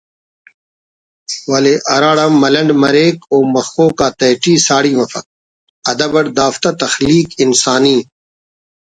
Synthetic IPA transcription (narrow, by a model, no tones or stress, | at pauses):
wɐleʔɐɾaːɽamɐlɐ̃ɳɖmɐɾeːkoːmɐxoːkaːt̪ɐjʈiːsaːɽiːmɐfɐk̚ | ɐd̪ɐbɐɽd̪aːft̪at̪ɐxliːkinsaːniː